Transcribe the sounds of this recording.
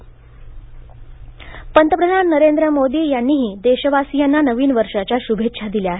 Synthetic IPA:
pənt̪əpɾəd̪ʱanːəɾend̪ɾəmod̪iːjanːiːɦiːd̪eɕəʋasijanːanəʋiːnʋəɾʂat͡ɕjaɕubʱetʂʰad̪iljaɦe

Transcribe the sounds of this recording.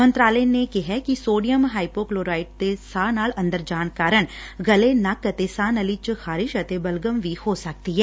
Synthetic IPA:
mə̃nt̪ɾaːleːnekɪɦɛkisoːɖijəmɦaːipoːkloːɾaːɪʈ̚d̪eːsaːnaːlə̃nd̪əɾd͡ʒaːɳkaːɾəɳɡəlenɐkət̪eːsaːnəlit͡ʃxʰaːɾɪʃət̪eːbəlɡəmʋiːhoːsək̚t̪iɦɛː

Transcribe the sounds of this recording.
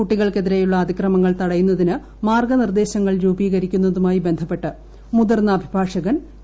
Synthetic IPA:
kuʈːiɣɐɭke̞ðiɾejuɭːɐːd̪ikrɐmɐŋːɐɭt̪ɐɽɐjunːɐðinɨ | maːrɡɐnird̪e̞ːɕɐŋːɐɭɾuːbiːɣɐɾikʲːunːɐðumaːjibe̞nd̪ʱɐpːe̞ʈːɨ | muðɐrnɐːbʱibʱaːʂɐɣɐn

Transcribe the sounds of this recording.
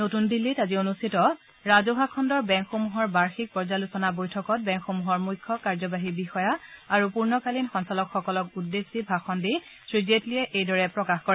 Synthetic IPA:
notundilːitazionustʰitɔ | ɹazobʱakʰɔndɔɹbɛŋkxomuɦɔɹbaɹxik̚pɔɹzalusɔnabojtʰɔkɔt̚bɛŋkxomuɦɔɹmujkʰːɔkaɹzɔbaɦibixɔjaaɹupuɹnɔkalinxɔnsɔlɔkxɔkɔlɔkudːesibʱaxʰɔndisɹizetliɛʔejdɔɹɛpɹɔkaxkɔɹɛ

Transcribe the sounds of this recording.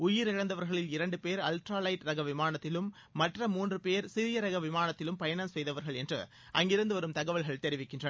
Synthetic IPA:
ʊjɪɾɪɻɐnd̪ɐʋɐɾɣɐɭɪlɪɾɐɳɖɯpeːɾɐlʈɾaːlɐɪʈɾɐɣɐʋɪmaːnɐt̪ːɪlɯmː | ɐʈrɐmuːndrɯpeːɾsɪɾɪjɐɾɐɣɐʋɪmaːnɐt̪ːɪlɯmpɐjɐnɐmsɛjðɐʋɐɾɣɐɭɛndrɯ̰ | ʔɐ̰ŋɡɪɾɐnd̪ɯʋɐɾɯmt̪ɐɣɐʋɐɭɣɐɭt̪ɛɾɪʋɪkːɪndrɐ

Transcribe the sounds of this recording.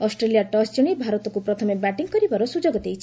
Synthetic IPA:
ɔsʈɾelijaʈɔsd͡ʒɔɽ̃ibʱaɾɔt̪ɔkupɾɔt̪ʰɔmebaʈiŋkɔɾibaɾɔsud͡ʒoɡɔt̪ejt͡ʃʰ

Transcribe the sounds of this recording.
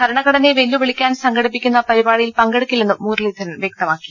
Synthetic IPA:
kʰɐɾɐɳɐɣɐɽɐneʋelːuʋiɭikʲːaːnsɐŋɡɐɽipːikʲːunːɐpɐɾibaːɽijilpɐŋɡeɽukʲːilːenːumːuːɾlid̪ʱɐnɐmʋjɐk̚t̪ɐmaːkːi̥

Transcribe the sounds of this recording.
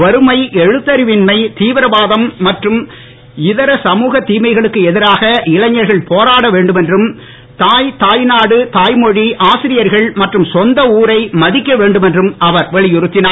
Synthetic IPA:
ʋɐɾɯmɐɪʔɛɻɯt̪ːɐɾɪʋɪnmɐɪt̪iːʋɪɾɐʋaːðɐmːɐʈrɯm | ɪðɐɾɐsɐmuːɣɐt̪ːiːmɐɪɣɐɭɯkːɯɛðɪɾaːɣɐɪlɐɲːɐɾɣɐɭpoːɾaːɽɐʋeːɳɖɯmɛndrɯm | t̪aːjt̪aːjnaːɽɯt̪aːjmɔɻiʔaːsɪɾɪjɐɾɣɐɭmɐʈrɯmsɔnd̪ɐuːɾɐɪmɐðɪkːɐʋeːɳɖɯmɛndrɯmɐʋɐɾʋɐɭɪjʊɾɯt̪ːɪnaː

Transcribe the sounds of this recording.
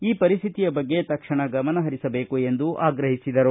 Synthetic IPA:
iːpɐɾist̪ʰit̪ijɐbɐɡːe̞t̪ɐkʂɐɳɐɡɐmɐnɐɦɐɾisɐbe̞ːkue̞nd̪uʔaːɡɾɐɦisid̪ɐɾu

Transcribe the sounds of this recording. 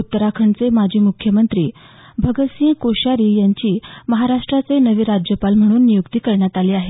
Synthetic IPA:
ut̪ːəɾakʰəɳt͡semad͡ʑʱiːmukʰjəmənt̪ɾiː | bʱəɡəsĩkoɕaɾiːjaɲt͡ɕiːməɦaɾaʂʈɾat͡senəʋiːɾad͡ʑjəpalm̤əɽ̃uːnːijukt̪iːkəɾɳjat̪aliːaɦe

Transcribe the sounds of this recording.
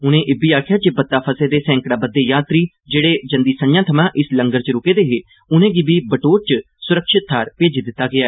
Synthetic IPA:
ʊnẽːʔeːbiːaːkʰɪjaːd͡ʒeːbət̪ːaːpʰəseːd̪eːsɛ̃ːŋkɽaːbəd̪ːeːjaːt̪ɾiː | d͡ʒeːɽeːd͡ʒənd̪iːsənjãːt̪ʰəmãːʔɪsləŋɡəɾt͡ʃəɾʊkeːd̪eːɦeː | ʊnẽːɡiːbiːbəʈoːɾt͡ʃə | sʊɾəkʃɪt̪̚ʰːaːɾpeːd͡ʒiːd̪ɪt̪ːaːɡɪaːɛː

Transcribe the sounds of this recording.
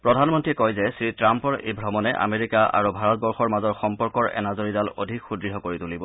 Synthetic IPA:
pɹɔdʱanmɔntɹiɛkɔjzɛsɹitɹampɔɹḛjbʱɹɔmɔnɛʔa̰meɹikaʔa̰ɹubʱaɹɔt̚bɔɹxɔɹmazɔɹxɔmpɔɹkɔɹɛ̰nazoɹidalo̰dʱikxudɹiɦɔkoɹitulibɔ

